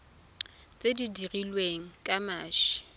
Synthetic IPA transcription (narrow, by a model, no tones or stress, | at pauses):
t͡sʼedidirilweŋ̩kʼamaːʃi̥